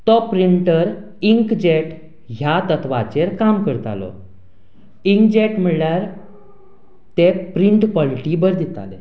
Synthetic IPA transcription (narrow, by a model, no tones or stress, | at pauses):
t̪ɔpɾiɳʈəɾ | iŋkd͡ʑeʈ | ɦjat̪ət̪ʋat͡ɕeɾkamkəɾt̪a̰lɔ̰ | iŋkd͡ʑeʈm̤əɭljaɾ | t̪ɛpɾiɳʈpɔliʈibəɾd̪it̪a̰lḛ